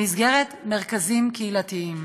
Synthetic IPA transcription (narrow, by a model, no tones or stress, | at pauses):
izɡe̞ʁetme̞ʁkazimkeilatiim